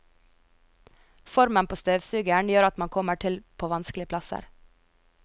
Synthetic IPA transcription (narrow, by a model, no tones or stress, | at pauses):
fɔɾmənpʰoːst̪øːʋsʉːɡəɳjøːɾɑt̪mɑŋkʰɔməʈʰɪlpʰoːʋɑnsklɪəpʰlɑsə̰ɾ